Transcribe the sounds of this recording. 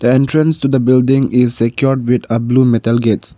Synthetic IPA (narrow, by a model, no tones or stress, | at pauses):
d̪̥əɛ̃ntɾə̃nstud̪əbɪldɪ̃ŋɪzsɛkjɔɖ̚wid̪əbluːmɛtəlɡets